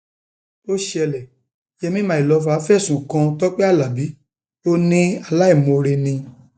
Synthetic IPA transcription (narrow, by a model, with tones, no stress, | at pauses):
o˦ʃɛ˧lɛ˨ | jɛ˧mĩ˦mã˨˦i˨lɔ˨˧˦fa˨˦fɛ˦˨sũ˨kã˧tɔ˦k͡pɛ˦a˦˨la˨bi˨˦ | to˦nĩ˦a˧la˦i˦˨mo˧ɾe˧nĩ˧